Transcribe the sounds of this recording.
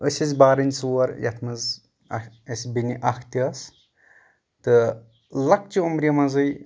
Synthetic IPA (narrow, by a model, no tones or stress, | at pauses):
əsʲɐzʲbaːɾɐnʲsuwɐɾjɐ̰t̪ʰmɐz | esʲbiniʔɐkʰt̪iɐs | t̪ɨ | lɐk̚t͡ʃiumɾijɐmɐzɐj